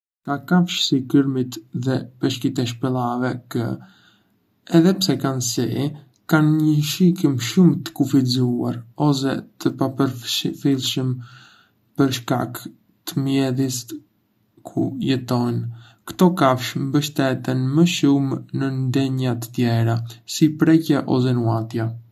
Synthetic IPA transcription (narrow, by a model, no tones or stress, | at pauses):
kakafʃsikəɾmit̪ðɛpɛʃkit̪ɛʃ̬pɛlˠavɛkə̰ | ɛðɛpsɛkansi | kanɲəʃikəmʃumt̪ə̥kufizua̰ɾɔs̬ɛ̰t̪əpapəɾfilˠʃəm | pəɾʃka̰k | t̪əmjɛðis | kʰujɛt̪ɔn | kt̪ɔkafʃmbəʃt̪ɛt̪ənməʃumnənd̪ɛɲat̪ə̥t̪jɛɾasipɾɛcɛʔɔ̰s̬ɛnuat̪ja